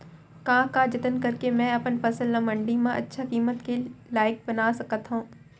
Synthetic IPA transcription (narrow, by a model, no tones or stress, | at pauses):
kãːkad͡ʒɐt̪ənkɐɾkemɛ̃ːɐpənpɐsəlːɐmɐ̃ɳɖimẽʔɐ̰tːʃʰakiːmət̪kelaːɪk̚bɐnaːsɐkət̪ɦũː